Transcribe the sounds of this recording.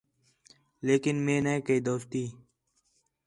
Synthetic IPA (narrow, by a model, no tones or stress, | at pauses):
leːkɪnmẽːneẽːkəiːd̪oːst̪iː